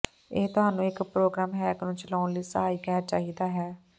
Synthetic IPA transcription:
ḛːt̪ʊɦaːnũːɪkpɾoːɡɾaːmɦɛːknũːt͡ʃəlaːʊnliːsəɦaːiːkɛːt͡ʃaːɦiːd̪aːɦɛː

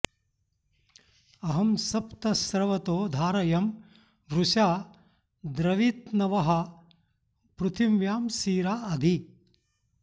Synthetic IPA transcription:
ɐɦɐmsɐpt̪ɐsɾɐʋɐt̪oːd̪ʱaːɾɐjɐm | ʋɾuʃaː | d̪ɾɐʋiːt̪nɐʋɐɦɐ | pɾut̪ʰimʋjaːmsiːɾaːɐd̪ʱi

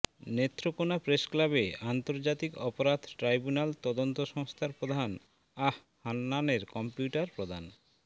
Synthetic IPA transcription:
net̪ːɾokonapɾeʃklabeant̪oɾd͡ʑat̪ikɔpoɾad̪ʱʈɾajbunalt̪ɔd̪ont̪oʃɔŋst̪ʰaɾpɾod̪ʱan | ah | hanːaneɾkɔmpjuʈaɾpɾod̪ʱan

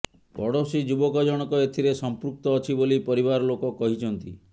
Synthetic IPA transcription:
bɔɽosid͡ʒubɔkɔd͡ʒɔɽ̃ɔkɔet̪ʰiɾesɔmpɾuk̚t̪ɔːt͡ʃʰibolipɔɾibaɾɔlokɔkɔɦit͡ʃʰɔnt̪ḭ

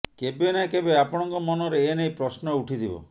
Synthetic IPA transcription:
kebenakebeapɔɽ̃ɔŋkɔmɔnɔɾeːnejpɾɔsnɔuʈʰid̪ibɔ̰

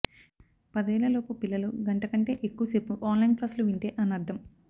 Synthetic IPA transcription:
pɐd̪ɐɛːlɐlo̞ːpupilːɐluɡɐɳʈɐkɐɳʈe̞ːʔekːuʋɐsepːuʔaːnlɐjnplaːsluʋiɳʈeːʔɐnɐɾd̪ʱːɐm

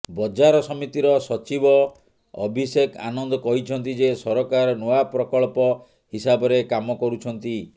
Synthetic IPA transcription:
bɔd͡ʒaɾɔsɔmit̪iɾɔsɔt͡ʃibɔ | ɔ̰bʱiseka̰nɔnd̪ɔkɔɦit͡ʃʰɔnt̪id͡ʒesɔɾɔkaɾɔnoapɾɔkɔɭpɔ | hisabɔɾekamɔkɔɾut͡ʃʰɔnt̪i

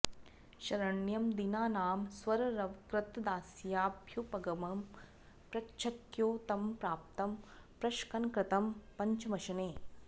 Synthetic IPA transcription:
ʃɐɾɐɳjɐmd̪inaːnaːmswɐɾɾɐʋkɾɪt̪d̪aːsjaːbʱjupɐɡɐmɐm | pɾɐtːʃʰɐkjoːt̪ɐmpɾaːp̚t̪ɐm | pɾɐʃkɐnkɾɪt̪ɐmpɐɲt͡ʃɐmɐʃɐneː

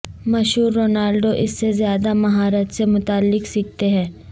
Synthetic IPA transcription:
mɐʃɦuːɾːoːnaːlɖoʔɪsːezjaːd̪amɐɦaːɾət̪semʊt̪aːlːɪksɪk̚t̪eɦɛ̃ː

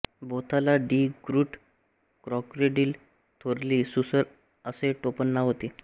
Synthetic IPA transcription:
bot̪alaɖiɡɾuʈ | kɾɔkɾeɖiːl | t̪ʰoɾliːsusəɾ | əseʈopənːaɦot̪i

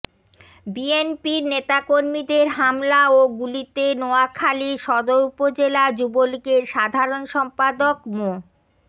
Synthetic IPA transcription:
bienpiɾnet̪akoɾmid̪eɾɦamlaoɡulit̪enoakʰaliʃɔd̪oɾupod͡ʑelad͡ʑubolkeɾʃad̪ʱaɾonʃɔmpad̪okmo

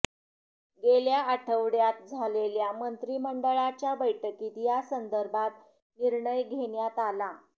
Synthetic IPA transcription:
ɡeljaəʈʰəʋɽjat̪̚d͡zʱaleljamənt̪ɾiːməɳɖəɭat͡ɕjabəjʈəkiːt̪jasənd̪əɾbʱat̪ | niɾɳəjɡʱeɳjat̪ala

